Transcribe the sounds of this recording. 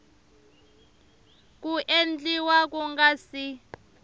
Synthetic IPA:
k̬ʼuʔend͡ɮʼiwak̬ʼuŋɡasi

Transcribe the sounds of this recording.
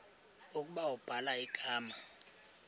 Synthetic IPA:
ukʼuɓawub̥ʱalaiɡ̥ʱaːma

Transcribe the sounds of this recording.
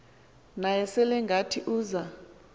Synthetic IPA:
najɛsɛlɛŋɡʱatʰiʔuːza

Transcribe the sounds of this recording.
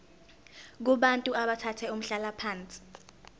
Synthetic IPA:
k̬uɓantʼuaɓatʰatʰɛum̩ɬalapʰaːnt͡sʼi̥

